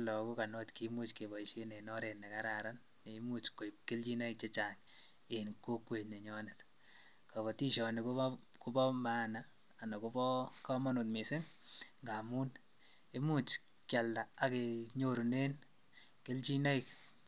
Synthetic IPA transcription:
lɔ˨ku˦ka˨nɔ˦tkimu˦t͡ʃke˨bɔ˨iʃe˦ne˨nɔ˦ɾe˨nɛ˨kaɾaɾanːe˨mut͡ʃko˨ip̚kɪ˦lt͡ʃi˦nɔ˦ik̚t͡ʃe˦t͡ʃa˨ŋ | enko˦kwe˨tne˨ɲɔ˦nɪt | ka˨βɔ˨ti˦ʃɔ˨nɪku | ku˦bɔ˦ma˦naː˨ | na˨kubɔkɔ˦mɔ˦nu˨tme˨sɪ˦ŋŋɡa˨mu˦n | e˦mu˦t͡ʃ | kja˨lda˨a˨keɲo˦ɾu˨ne˦n | ke˦lt͡ʃi˦nɔ˦ik

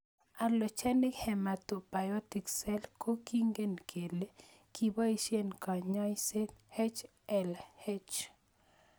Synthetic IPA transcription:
a˨lɔ˨t͡ʃɛ˦nɪ˦khɛ˨ma˨t̪ʊ˨ba˨jɔ˦ti˨ksɛ˦lko˦ki˦ŋɡe˦nkʰe˨le˦ | kʰi˨ba˦i˦ʃje˦nka˨ɲɔ˦se˦t̪he˦t͡ʃ | ɛ˨lhe˦t͡ʃ

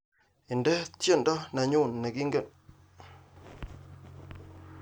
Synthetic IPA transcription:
i˨ndɛ˦t͡sə˦˨n˦dɔ˦na˧ɲu˦˨nː˨ə˨ɡi˦ŋɡe˦˨n

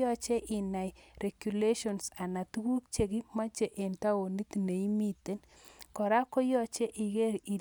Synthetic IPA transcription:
ɔ˦t͡ʃe˦ʔɪ˨na˨jre˨kju˨le˦ʃɔ˨nsa˨na˨tu˦wu˦kt͡ʃe˨ɣi˦ma˦t͡ʃe˨ʔe˨nta˦o˨ni˦t̪ne˨i˦mi˦t̪e˦n | kɔ˨ɾa˦ko˦jɔ˦t͡ʃe˦ʔi˨ɣe˦ɾi˨

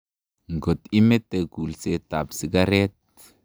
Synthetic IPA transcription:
ŋɡo˨t̪i˦me˦t̪e˨ɡu˨lse˦t̪a˨bsi˦ɡa˦ɾe˦t̪̚

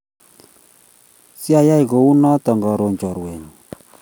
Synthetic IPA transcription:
si˦a˨ja˦i˨ko˨u˦nɔ˦tɔ˨ŋɡɔ˨ɾo˨ɲt͡ʃɔ˨ɾwe˨ɲ˨

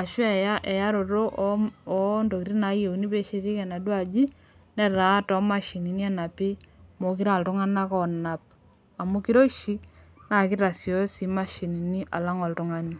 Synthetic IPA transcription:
a˨ʃwɛ˨ja˦ʔɛ˨ja˦ɾo˨ɾo˦ʔɔ˦ndo˨ki˨ɾi˦na˨˦je˨u˨ni˦pe˦ʃi˦ɾi˦kɛ˨na˨dwa˦˨d͡ʒi˦ | nɛ˦ɾa˨˦tɔ˦ma˦ʃi˨ni˨ni˦a˨na˨pɪ˦mo˨k̬i˦ɾa˦˨ltʊ˦ŋa˦na˦kɔ˦˨na˨p̚ | a˨mu˦ki˦ɾo˦ʃi˦na˨ki˦ta˨sjo˦si˨ma˦ʃi˨ni˨ni˦ʔa̰˨la˦ŋo˨ltʊ˦ŋa˦ni˦

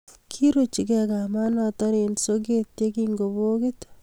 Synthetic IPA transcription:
kʰi˦ɾo˨t͡ʃi˨kɛka˨ma˦natɔ˦ɾensok̬e˦tekiŋɡo˨bo˦kit̪

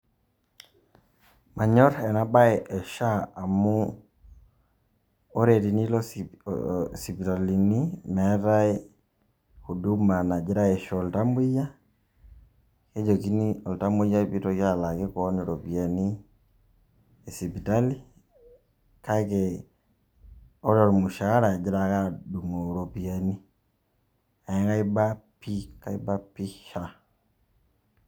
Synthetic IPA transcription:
ma˨ɲɔ˦ɾɛ˨na˦ba˦ɛʔɛ˨ʃa˦a˨mu˦ | o˦ɾe˨ti˨ni˦lɔ˦ | si˨pi˨ta˨li˨ni˦mɛ˨˦ɾa˦i | hu˨du˦ma˨na˨d͡ʒi˦ɾa˦e˨ʃɔ˨lta˦mbu˦ja˦ | ke˦d͡ʒo˨ki˦ni˦o˨lta˦mu˦ja˦pi˦tokja˦la˨ke˦ko˦neɾo˨pia˨ni˦ | e˨si˨pi˨ta˦li˦ | ka˦ke | o˦ɾo˨ɾi˨mu˨ʃa˨a˦ɾa˨d͡ʒi˦ɾaka˦du˨ŋo˨ɾo˨pia˨ni | a˨e˦ŋka˦i˦ba˦pika˦i˦ba˦pi˦ʃa

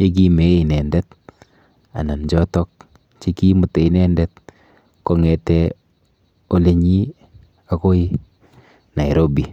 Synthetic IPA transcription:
t͡ʃe˦k̬i˦me˨˦i˨nɛ˨ndɛ˦t | a̰˨na˨nd͡ʒɔ˦tɔ˦k̚ | t͡ʃe˦ki˦mʊ˨te˨i˨nɛ˦ndɛ˦t̚ | kɔ˦ŋɛ˨tɛ˦ | o˦le˦ɲi˦ | a˨ko˦i˦ | na˨i˨ɾo˦bi˨

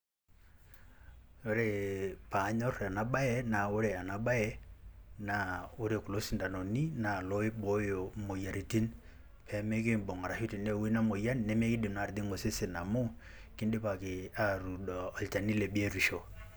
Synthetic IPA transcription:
o˦ɾe˨pa˨˦ɲɔ˦ɾa˨na˨ɓa˦ɛ˦na˨o˦ɾe˨a˨na˨ɓa˦jɛ˦na˨o˦ɾe˨ku˨lo˦si˨nda˨no˨ni˦na˨lo˦ɪ˦bo˨˦jo˨mo˨ja˨ɾi˨ti˦n | pʰɛ˨˦me˦kɪ˦mbɔ˨ŋa˨ɾa˨ʃu˦ti˨ne˦˨we˦na˦mo˨ja˦n˦nɛ˦me˦kɪ˦dɪ˨mna˨ɾd̪ɪ˦ŋo˨se˦sɪ˨na˨mo˦ | kɪ˦ndɪ˦pa˨kɪ˨a˦ɾu˨dɔː˨lt͡ʃa˨ni˦le˨bi˦e˦ɾi˨ʃo˨

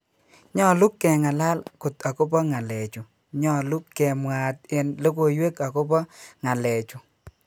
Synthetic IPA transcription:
ɲɔ˦˨lu˦kːɛ˨ŋa˨la˦lkʊ˨ta˨ko˦pɔ˦ŋa˨le˨t͡ʃu˨ | ɲɔ˦˨lu˦kːɛ˨mwa˨t̚ɪ˨nlo˦ko˨jwe˦ka˨ko˦pɔ˦ŋa˨lɛ˨t͡ʃu˨

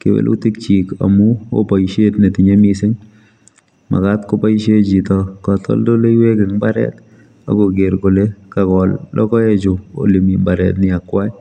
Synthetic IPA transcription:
kɪ˨wḛ˦lʔṵ˦tɪ˦k̚t͡ʃika̰mu˦o̰pa˨iʃe˦tne˨ti˨ɲe˦misɪ˦ŋ | ma̰˨katko˦pa˦iʃe˦d͡ʒi˨tɔkɔ˨tɔ̰˦ldo˦le˦iwe˦kɪ˨ŋbaɾɛ̰t | a̰˨ɡo˨ɡe˨ɾɡo˨le˦kakɔlːɔ̰˦kɔ˦e˦t͡ʃʊ˨o̰˨li˨mimbaɾɛ̰tnɪa˨kwa˦j

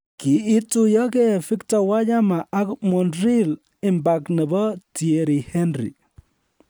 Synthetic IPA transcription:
ki˨˦ɪ˦tu˦jɔ˦ke˦fi˦ktɔ˨wa˦d͡ʒa˦ma˨ʔa˦kmɔ˨nɾi˦l | ɪ˨mba˨knə˨bɔ˦ti˨e˨ɾi˨hɛ˦nɾḭ˨

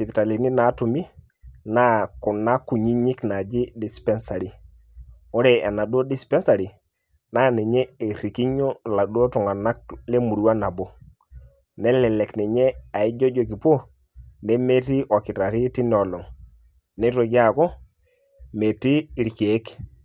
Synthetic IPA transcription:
si˨pi˨ta˨li˨ni˦na˨˦tu˨mi˦ | na˦ku˨na˦kːu˨ɲi˦ɲi˦kna˨d͡ʒi˦di˨spe˦nsa˨ɾi˦ | ɔ˦ɾe˨a˨na˨do˦di˦spe˦nsa˨ɾi˨ | na˦ni˨ɲe˦e˨ɾi˨ki˦ɲo˦la˨do˦tu˨ŋa˨na˦k̚le˦mu˨ɾu˨wa˦na˨bo˦ | ne˦lɛ˨le˨kni˨ɲe˦a˨i˦d͡ʒo˦d͡ʒo˨ki˨po˦ | ne˦me˦ti˦ʔo˨ki˨ta˨ti˦ti˦n˨o˨lo˨ŋ | ne˦to˨ɡa˦˨ko˦ | me˨ti˦˨ɾi˨ki˨e˦k

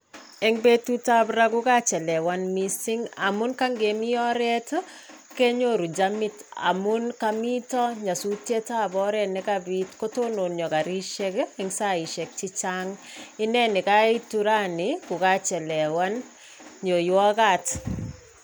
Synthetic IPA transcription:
ɛŋbe˦tu˦ta˦bɾakʊ˦ka˦t͡ʃɛ˨lɛ˨wa˦nmi˦sɪ˦ŋa̰˨mʊ˦nka˦ŋɡe˨mi˦ɔ˦ɾɛt | kɛ˦ɲo˦ɾu˨d͡ʒamɪ˦ta̰˨mʊ˦nka˦mi˦tɔ˦ɲa˨su˦tje˦ta˦bɔ˦ɾɛ˦nɪ˦kabitko˦to˦no˨njɔ˨ka˨ɾi˦ʃɛ˦kɛŋsa˦i˨ʃɛ˨k̚t͡ʃɪ˦t͡ʃaŋɪ˦nɛ˦nɪ˨ka˦i˦tuɾa˦nɪkʊ˨ka˦t͡ʃɛ˨lɛ˨wa˦n | ɲo˨jɔ˦kat

